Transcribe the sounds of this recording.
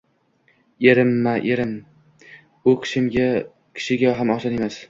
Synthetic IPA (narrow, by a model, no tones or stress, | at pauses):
eɾɪmːaʔeɾɪm | ʊkʲʰɪ̥ʃɪmɡʲa | kʲʰɪ̥ʃɪɡʲaɦamaχʃɒne̞mas